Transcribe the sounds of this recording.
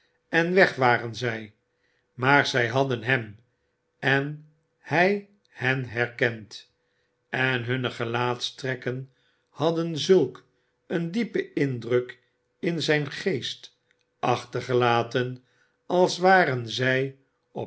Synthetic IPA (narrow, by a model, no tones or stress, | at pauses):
ɛnʋɛχʋaːʁənzɛj | maːɹzɛjɦɑdənɦɛm | ɛn | hɛj | hɛnɦɛɹkɛnt | ɛnɦɵnəχəlaːtstrɛkən | hɑdənzɵlˠk | əndipəɪndrək | ɪnzɛjnχejst | ɑχtəɹχəlaːtən | ɑlˠsʋaːɾənzɛj | ɔ